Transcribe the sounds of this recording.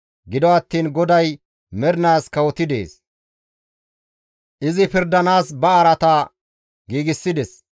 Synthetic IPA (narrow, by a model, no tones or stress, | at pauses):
ɡɪd̪ɔɐt̪ːiːnɡɔd̪ɐj | mɛɾɪnaːskɐwɔt̪ɪd̪ḛːs | ʔɪzɪpɪɾd̪ɐnaːsbɐːɾɐt̪a | ɡiːɡɪsːɪd̪ɛs